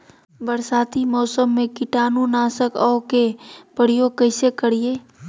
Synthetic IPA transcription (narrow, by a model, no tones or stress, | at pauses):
bəɾsaːt̪imɔːsəmːẽkɪʈaːnunaːsəkɔːkepəɽijoːɡ̚kəɪsekəɽijeː